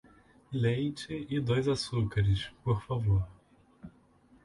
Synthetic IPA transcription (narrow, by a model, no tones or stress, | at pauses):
lẽj̃t͡ʃɪɪd̪ojzasukaɾɪʃpoɾfavoɾ